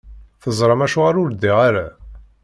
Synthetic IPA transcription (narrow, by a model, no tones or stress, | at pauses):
θəzˤɾˤəmæʃuʁaɾʊɾd̪iʁaɾa̰